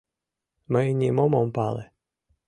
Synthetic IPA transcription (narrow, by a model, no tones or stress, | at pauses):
mɛnʲimɔmɔmpɑlˠɛ